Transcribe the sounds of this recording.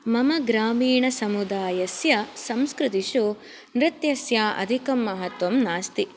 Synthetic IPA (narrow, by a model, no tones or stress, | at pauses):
mɐmɐɡɾaːmiːɳɐsɐmud̪aːjɐsjɐsɐmskɾut̪iʃu | nɾɪt̪jɐsjaːʔɐ̰d̪ʱikɐmːɐɦɐt̪ʋɐmnaːst̪i